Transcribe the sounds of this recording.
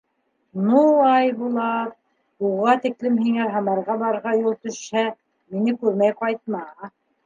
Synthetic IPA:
nuɑjbulˠɑt̚ | uʁɑt̪iklɘmhiŋæɦɑmɑɾʁɑbɑɾʁɑjulˠt̪ɵ̆ʃhæ | minɘkʉɾmæjqɑjt̪̚mɑ

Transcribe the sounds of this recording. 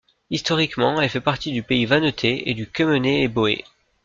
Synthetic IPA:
ist̪ɔʁikmɑ̃ɛlfɛpaʁt̪id̪ypeivanot̪ʰeḛd̪ykʲəmøneːboḛ

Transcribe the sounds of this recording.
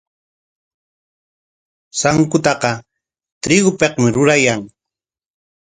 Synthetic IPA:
saŋkʊt̪ɑqɑ | t̪ɾɪɡʊpeqmɪɾʊɾajaŋ

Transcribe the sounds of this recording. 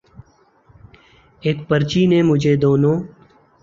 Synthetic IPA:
eːkpəɾt͡ʃiːneːmʊd͡ʒʱeːd̪oːnõː

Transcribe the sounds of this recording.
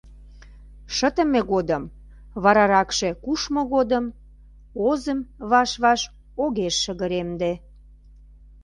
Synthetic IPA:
ʃət̪ə̆meɣod̪əm | βɑɾɑɾɑkʃekuʃmoɣod̪əm | ozəmβɑʃβɑʃ | oɣeʃːəɣəɾemd̪e

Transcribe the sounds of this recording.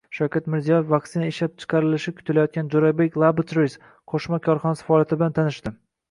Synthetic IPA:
ʃawkʲat̪mɪɾzijɒjefvak̚ʲt̪ɪnaeʃlap̚t͡ʃʰɨ̥qʰɑɾɪlɪʃɪkʰʊt̪ʰɪlajɒt̪̚kʲand͡ʒoɾabekʲlˠabɨt͡ʃ̪ɾojs | qʰoʃmakʲʰɒɾχɒnasɪ̥faɒːljat̪ʰɪbɪlant̪ʰanɪʃt̪ɪ

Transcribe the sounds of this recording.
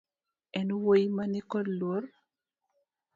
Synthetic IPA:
ɛnuwojmanikɔdlwor

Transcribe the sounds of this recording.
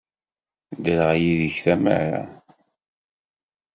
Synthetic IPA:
d̪əlʁjiðəçθæmə̰ɾa̰

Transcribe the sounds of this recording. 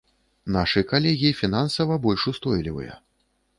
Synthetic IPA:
naʂɨjkalʲɛɣʲifʲinansɐvɐbɔlʲʂust̪ɔjlʲivɨ̰jɐ̰

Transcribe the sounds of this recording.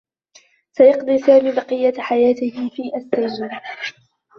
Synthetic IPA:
sajɑqd̪ˤiːsaːmiːbɑqɨjːaħajaːt̪ɪhɪfiːʔast̪aaːɾ

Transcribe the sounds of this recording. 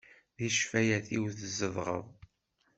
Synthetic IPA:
ðiʃfæjæθiwθəzəðˤʁə̰ðˤ

